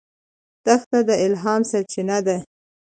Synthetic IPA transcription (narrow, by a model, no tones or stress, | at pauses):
t̪axt̪ad̪əɪlɦɑmsat͡ʃɪnad̪a